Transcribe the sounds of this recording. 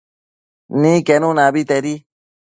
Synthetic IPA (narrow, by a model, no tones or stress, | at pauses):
nĩkenũnãbit̪eɾi